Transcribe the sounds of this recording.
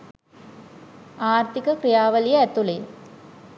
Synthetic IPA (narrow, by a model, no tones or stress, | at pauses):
aːrt̪ikəkrijaːʋəlijəɛt̪ule